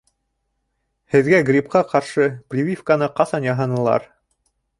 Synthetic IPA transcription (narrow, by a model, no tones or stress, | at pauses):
hɘ̆ðɡæɡrʲipqɑqɑɾʃɤprʲivʲifkanɤqɑsɑnjɑɦɤnɤ̆lˠɑ̰ɾ